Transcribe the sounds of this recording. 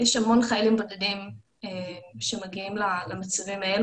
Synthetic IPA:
jeʃamo̞nχaelimbodadim | eʃemaɡiimlalamat͡savimael

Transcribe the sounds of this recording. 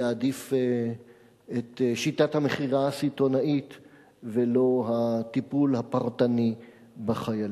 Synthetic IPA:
adif | et̪ʃitathameχiʁaasito̞nait | velo̞ɦat̪ipulhapaʁtani | baχajal

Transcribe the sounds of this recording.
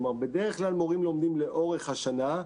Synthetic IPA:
maʁbe̞deʁeχklalmo̞ʁimlo̞md̪imleʔo̞ʁe̞χhaʃana

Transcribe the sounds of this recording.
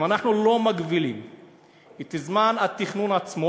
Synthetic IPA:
manaχnulo̞maɡbilim | it̪izmanat̪iχnunat͡smo

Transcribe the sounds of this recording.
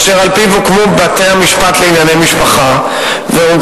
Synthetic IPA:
ʃeʁalpivukmubat̪eamiʃpat̪leinjanejmiʃpaχa | veu

